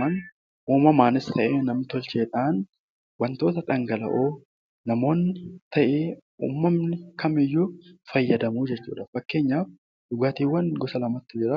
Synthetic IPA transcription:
ɐn | ʔuːmɐmaːnɪst̪ɐʔeːnɐmnɪt̪ɔlt͡ʃeːt̪ʼɐːn | wɐnt̪o̞ːt̪ɐᶑ̪ɐŋɡɐlɐ̰ʔoː | nɐmo̞ːnːɪt̪ɐʔeː | ṵːmːɐmnɪkɐmɪjːuːfɐjːɐd̪ɐmuːd͡ʒɛt͡ʃːṵːᶑɐfɐkːe̞ːɲːaːf | dʊɡaːt̪iːwːɐnɡɔsɐlɐmɐt̪ːɪd͡ʒɪɾɐ

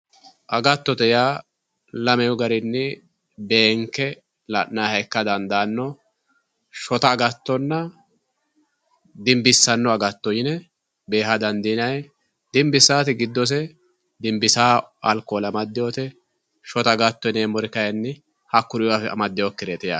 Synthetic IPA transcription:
ʔɐɡɐt̪ːɔt̪ɛjaː | lɐmɛjɔɡɐɾɪnːɪ | be̞ːŋkːɛ | lɐʔnaːhɐjkːɐd̪ɐnd̪aːnːɔ | ʃɔt̪ɐːɡɐt̪ːɔnːɐ | d̪ɪmbɪsːɐnːɔɐɡɐt̪ːɔjɪnɛ | be̞ːɦɐd̪ɐnd̪inɐj | d̪ɪmbɪsaːt̪ɪɡɪd̪ːɔs̬ɛ | d̪ɪmbɪsaːɐ̰lkːɔːlɐmɐd̪ːɪjoːt̪ɛ | ʃɔt̪ɐɡɐt̪ːɔneːmɔɾɪkɐjɐnːɪ | hɐkːʊɾɪwafɛɐ̰mɐd̪ːɪjɔkːɪɾeːt̪ɪja̰

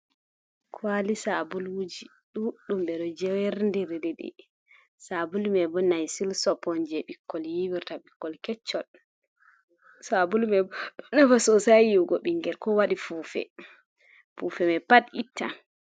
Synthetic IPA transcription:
kʰwalisabulwud͡ʒi | ɗuɗumɓɛɗɔd͡ʒɛwɛɾndiɾdɛɗɛ̰ | sabulmɛbɔnajsilsɔpɔnd͡ʒɛɓikːɔljiwiɾtaɓikːɔlkɛt͡ʃːɔl | sabulmɛbnafasɔsajjiwɡɔɓiŋɡɛlkɔwaɗifufɛ̰ | fufɛmɛpaditʰːa̰

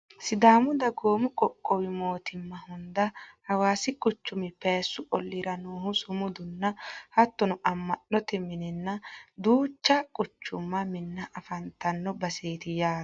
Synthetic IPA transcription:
sɪd̪aːmʊd̪ɐɡoːmʊkʼɔkʼːɔwɪmo̞ːt̪ɪmːɐhʊnd̪ɐhɐwaːsɪkʼʊt͡ʃːʊmɪpeːsːʊʔɔlːɪɾɐnoːhʊsʊmʊd̪ʊnːɐhɐt̪ːɔnɔʔɐmːɐɗːɔt̪ɛmɪnɪnːɐd̪uːt͡ʃːɐkʼʊt͡ʃːʊmːɐmɪnːɐʔɐfɐnt̪ɐnːɔbɐseːt̪ɪjaː

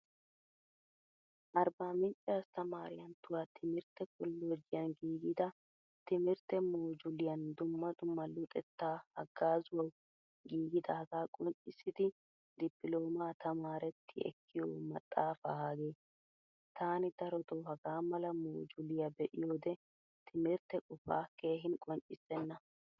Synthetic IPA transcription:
ʔɐɾbaːmɪnt͡ʃʼːaːst̪ɐmaːɾɪjɐnt̪ʊwaːt̪ʰɪmɪɾt̪ɛkʊlːoːd͡ʒɪjɐnɡiːɡɪd̪ɐ | t̪ɪmɪɾt̪ɛmoːd͡ʒʊlɪjɐnd̪ʊmːɐd̪ʊmːɐlʊt̪ʼɛt̪ːaːhɐɡːaːzʊwɐw | ɡiːɡɪd̪ɐɐɡaːkʼɔnt͡ʃʼːɪsːɪd̪ɪ | d̪ɪpːɪlo̞ːmaːt̪ʰɐmaːɾɛt̪ʰːɪɛ̰kːɪjoːmɐt̪ʼːaːfaaːɡe̞ː | t̪aːnɪd̪̥ɐɾɔt̪oɦɐɡaːmɐlɐmoːd͡ʒʊlɪjabɛʔɪjoːd̪ɛ | t̪ʰɪmɪɾt̪ːɛkʼɔfa̰ːke̞ːɦɪnkʼɔnt͡ʃʼːɪsːɛnːɐ

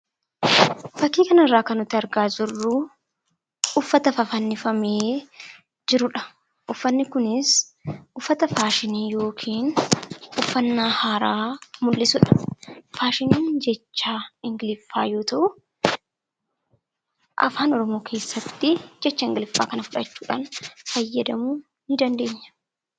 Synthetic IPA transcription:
fɐkːiːkɐnɪrːaːkɐnːʊt̪ːɪɐɾɡaːd͡ʒɪrːu | ʊfːɐt̪ɐfɐfɐnːɪfɐmeː | d͡ʒɪɾʊᶑɐ̥ | ʔʊfːɐnːɪkʊnɪsʔʊfːɐt̪ɐfaːʃɪniːjo̞ːkʰiːnʔʊfːɐnːaːhaːɾaːmʊlːɪsʊᶑɐ̥faːʃɪniːnd͡ʒɛt͡ʃːaːɪŋɡɪlɪfːaːjo̞ːt̪ɐʔʊ | ʔɐ̰faːnɔɾɔmo̞ːkʰe̞ːsːɐt̪ːɪd͡ʒɛt͡ʃːɐɪŋɡɪlɪfːa̰ːkɐnɐfʊᶑɐt͡ʃːuːᶑa̰ːnfɐjːɐd̪ɐmuː | nɪd̪ɐnd̪e̞ːɲːɐ̥

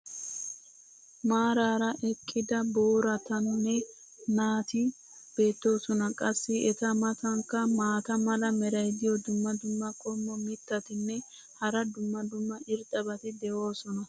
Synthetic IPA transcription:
maːɾaːɾɐʔɛkʼːɪd̪ɐboːɾɐt̪ɐnːɛ | naːt̪ɪ | b̥e̞ːt̪ːo̞ːsɔnɐkʼɐsːɪɛt̪ɐmɐt̪ɐŋkːɐmaːt̪ɐmɐlɐmɛɾɐjd̪ɪjɔd̪ʊmːɐd̪ʊmːɐkʼɔmːɔmɪt̪ːɐt̪ɪnːɛ | hɐɾɐd̪ʊmːɐd̪ʊmːɐʔɪɾt̪ʼɐbɐt̪ɪd̪ɛʔo̞ːsɔnɐ

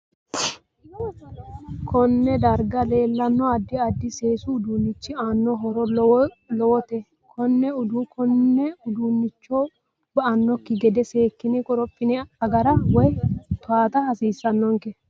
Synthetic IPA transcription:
kʰɔnːɛd̪ɐɾɡɐle̞ːlːɐnːɔɐd̪ːɪɐd̪ːɪse̞ːsʊːd̪unːɪt͡ʃːɪaːnːɔɦɔɾɔ | lɔwɔt̪ɛ | kʰɔnːɛʊd̪ukɔnːɛʊd̪unːɪt͡ʃːɔ | bɐʔɐnːɔkːɪɡɛd̪ɛse̞ːkːɪnɪkʼɔɾɔpʼːɪnɛɐɡɐɾɐwɔjt̪ʊaːt̪ɐhɐsiːsːɐnːɔŋkɛ

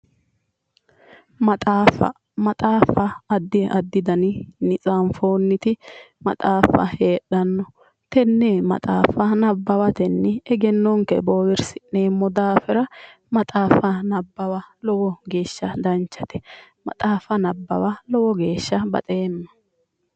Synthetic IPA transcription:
mɐt̪ʼaːfɐ̰ | mɐt̪ʼaːfɐːd̪ːɪɐd̪ːɪd̪ɐnɪnɪt͡sʼanfo̞ːnːɪt̪ɪmɐ̰t̪ʼaːfɐ̰he̞ːɗɐnːɔ | t̪ɛnːemɐ̰t̪ʼaːfɐnɐbːɐwɐt̪ɛnːɪɛɡɛnːɔŋkɛ̰boːwɪɾsɪ̥neːmːɔd̪aːfɛɾɐ | mɐt̪ʼaːfɐnɐbːɐwɐlɔwɔɡe̞ːʃːɐd̪ɐnt͡ʃːɐt̪ɛ̥mɐ̰t̪ʼaːfɐnɐbːɐ̰wɐlɔwɔɡeːʃːɐbɐ̰t̪ʼeːmːɐ̥

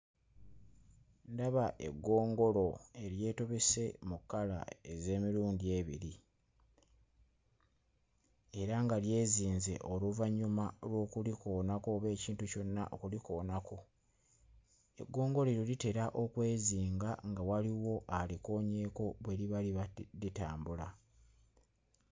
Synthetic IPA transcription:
ndaβaʔe̞̰ɡːo̞ːŋɡo̞lo̞e̞ɾje̞ːto̞βe̞se̞mukːala̰e̞ze̞ːmiɾuːndie̞βḭɾi | e̞ɾaŋɡalje̞ːziːnze̞̰ʔo̞luvaɲumalwo̞ːkuliko̞ːnako̞ːβe̞ːciːntuco̞nːa̰ʔo̰kuliko̞ːnako̞ | e̞̰ɡːo̞ːŋɡo̞leɾolite̞ɾaʔo̞kwe̞ːziːŋɡaŋɡawaliwo̞ʔaliko̞ːɲe̞ːko̞βwe̞liβaliaditaːmbula

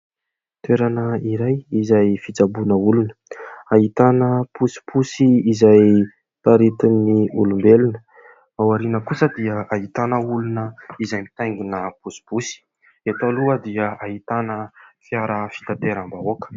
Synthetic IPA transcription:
t̪weɾanəiɾajizajfit͡sabunəulunə̥aɦit̪anəpusi̥pʰusiːzaj | t̪aɾit̪unnːiulumbelunə̥ | awaɾinəkusəd̪iəaɦit̪anəulunəizajmit̪ajŋɡinəpusi̥pusi̥ | et̪aluəd̪iəait̪anəfjaɾəfi̥t̪at̪eɾambaokə̥

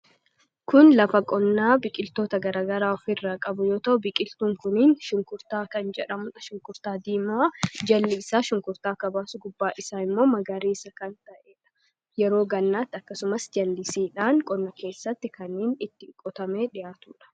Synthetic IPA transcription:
kʊnlɐfɐkʼɔnːaːbɪkʼɪlt̪o̞ːt̪ɐɡɐɾaːɡɐɾaːɔfɪrːaːkʼɐbʊjo̞ːt̪ɐʔʊbɪkʼɪlt̪uːŋkʊniːnʃʊŋkʊɾt̪aːkɐnd͡ʒɛᶑɐmʊᶑɐʃʊŋkʊɾt̪aːd̪iːmaːd͡ʒɐlːɪsaːʃʊŋkʊɾt̪aːkɐbaːsʊɡʊbːaːʔɪsaːɪmːo̞ːmɐɡɐɾiːsɐkɐnt̪ɐʔeːᶑɐ̥ | jɛɾo̞ːɡɐnːaːt̪ːɪɐkːɐsʊmɐsd͡ʒɐlːɪsiːᶑaːŋkʼɔnːɐke̞ːsːɐt̪ːɪkʰɐnːiːnɪt̪ːɪkʼɔt̪ɐme̞ːᶑɪjaːt̪uːᶑɐ̥

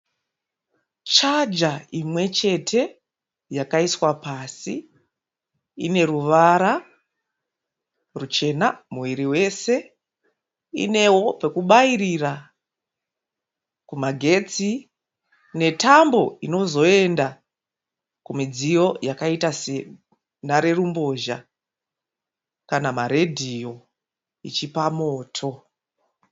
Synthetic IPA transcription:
t͡ʃad͡ʒaimwe̞t͡ʃe̞tʰe̞ | jakaiswapasi | ḭne̞ruʋaɾa | rut͡ʃe̞namuwiɾiwe̞se̞ | ḭne̞wo̞pe̞kuɓaiɾira | kumaɡʱe̞t͡si | ne̞tambo̞ino̞zo̞e̞nda | kumid͡zijo̞jakaitase | naɾe̞rumbo̞ʒa | kanamaɾe̞dʱijo̞ | ḭt͡ʃipamo̞ːtʰo̞

